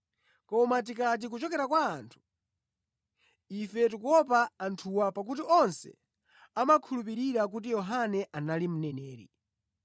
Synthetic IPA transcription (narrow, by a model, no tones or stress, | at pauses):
kɔmat̬ikat̬ik̬ut͡ʃɔkɛɾakwaːntʰu̥ | ifɛtukɔpaːntʰuwapak̬utiɔnsɛ̰ | amakʰulup̬iɾiɾak̬ut̬ijɔɦanɛʔanalim̩nɛnɛːɾḭ